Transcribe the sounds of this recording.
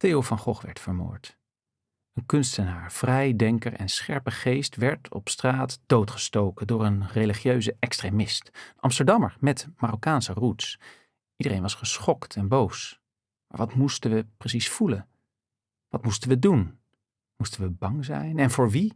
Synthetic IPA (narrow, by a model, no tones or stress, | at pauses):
teːovɑnχɔχʋɛ̰ɹtfəɹmo̰ːɹt | ənkɵnstənaːɹv̥rɛjdɛŋkəɹɛ̰nsχɛɹpəχejstʋɛɹtʰɔ̰pstraːtd̥owtχə̥stowkədʊːɹənreliχjøɥzəʔɛkstremɪstʔɑ̰mstəɹdɑməɹmɛtmaːrokaːnsəruts | idəɾḛjnʋɑsχəsχɔktʰɛnbows | ma̰ːɹʋɑtmustənʋəprəsisfulə | ʋɑtmustənʋədun | mustənʋəbɑŋzɛ̰jnɛnvʊːɹʋi